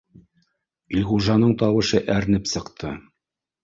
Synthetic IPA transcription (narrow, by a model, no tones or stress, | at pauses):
ilʁuʒɑnɤɴt̪ɑwɤ̆ʃɤʔæɾnɘpsɤ̆qt̪ʰɤ